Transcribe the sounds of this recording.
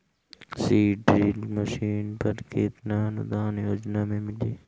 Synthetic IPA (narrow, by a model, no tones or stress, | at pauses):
siːʈɾiːlmɐʃiːnpɐɾkeːt̪naːnʊd̪aːneoːd͡ʒnaːmẽːmɪliː